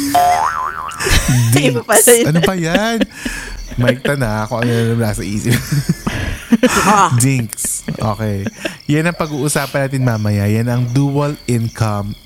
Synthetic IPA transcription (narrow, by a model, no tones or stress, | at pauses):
d̪ɪŋpɐʔɐnopɐjan | mɐhɪk̚t̪ɐnɐkoŋʔɐnonɐnɐmlaːsɐʔḭːsɪp | d̪ɪŋksʔʔo̰ːkɛjjanɐŋpɐɡuːʔʊsaːpɐnaːt̪ɪnmaːmɐjajanɐŋd̪uːwɐlɪnkɐm